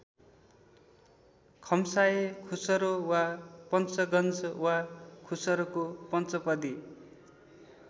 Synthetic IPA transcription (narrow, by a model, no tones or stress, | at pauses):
kʰʌmsaekʰusʌɾowapʌnt͡sʌɡʌnt͡sʌwakʰusʌɾokopʌnt͡sʌpʌd̪i